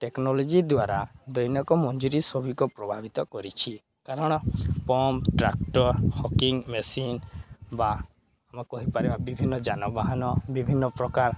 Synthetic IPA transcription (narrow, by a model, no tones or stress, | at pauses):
ʈeknɔlɔd͡ʒid̪waɾad̪ɔjnɔkɔmɔnd͡ʒuɾisɔbʱikɔpɾɔbʱabit̪ɔkɔɾit͡ʃʰi | kaɾɔɽ̃ɔpɔmpʈɾakʈɔɾhɔkiŋmesinba | amakɔɦipaɾibabibʱinːɔd͡ʒanɔbaɦanɔbibʱinːɔpɾɔkaɾ